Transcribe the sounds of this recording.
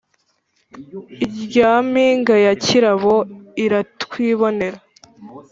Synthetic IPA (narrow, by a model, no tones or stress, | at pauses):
iɟaːmiːŋɡajaciɾaβo̞iɾatkwiːβo̞ne̞ɾa